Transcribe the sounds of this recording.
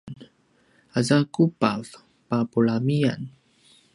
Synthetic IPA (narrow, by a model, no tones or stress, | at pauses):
n | azakupav | papuɭamia̰n